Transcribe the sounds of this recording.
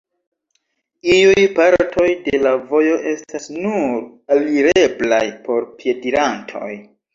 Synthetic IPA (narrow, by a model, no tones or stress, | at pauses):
iujpaɾtʰo̞jde̞lavo̞jo̞ʔe̞stasnuɾaliɾe̞bla̰jpo̞ɾpje̞diɾantʰo̞̰j